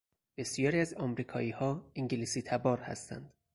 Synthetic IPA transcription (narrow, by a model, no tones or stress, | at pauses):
b̥e̞sijɒːɾiæzɒmɾiːkʰɒːiːhɒːiŋɟelisiːt̪ʰæbɒːɾhæ̰st̪æ̰nd̪̥